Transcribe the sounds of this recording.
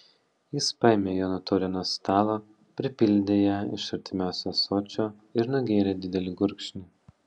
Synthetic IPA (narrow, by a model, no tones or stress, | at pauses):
jɪspɑjɛmʲeːjoːnot̪ɔːɾʲɪnoːst̪ɑːlˠoː | pʲɾʲɪpʲɪlʲd̪ʲeːjɛɪ̰ʃɐɾʲt̪ʲɪmʲæˑʊsʲosoːt͡ʃʲoː | ɪɾnʊɡʲeːɾʲeːd̪ʲɪd̪ʲɛlʲɪɡʊɾʲkʃʲnʲɪ